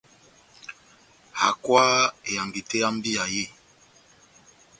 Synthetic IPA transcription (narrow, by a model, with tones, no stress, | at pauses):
ha̰˨kwa˦e˨ja˨ŋɡi˨te˦a˦m˦bi˦a˨je˦˨